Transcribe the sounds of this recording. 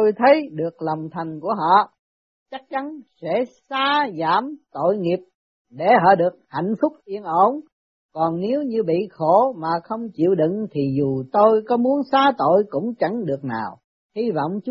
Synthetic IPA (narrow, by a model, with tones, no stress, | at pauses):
o˧jt̪ʰə˨˦jɗɨ˨˩ək̚la˨˩wŋ͡mt̪ʰa˨˩jŋ̟ku˧˩əɦɔ̰˧˨ | t͡ɕa˦˥k̚t͡ɕa˨˦nsɛ̰˧˥saː˧zaː˧˥˩mt̪o̰˧˨jŋi˨˩əp̚ | ɗe˧˩ɦɔ̰ː˧˨ɗɨ˨˩ək̚ha̰˧˨jŋ̟fʊ˦˥k͡p̚ʔi˧ənʔo˧˦n | kɔ˨˩nne˨˦wɲɨ˧ɓḭ˧˨xo˧˩˦maː˨˩xə˧wŋ͡mt͡ɕḭ˧˨əwɗḭ˧˨ŋt̪ʰi˨˩zu˨˩t̪o˧jkɔ˨˦mu˨˦ənsaː˨˧˦t̪o̰˧˨jkʊ̰˧˥ŋ͡mt͡ɕa˧˩ŋɗɨ˨˩ək̚naː˨˩w | hi˧vɔ̰˧˨wŋ͡mt͡ɕ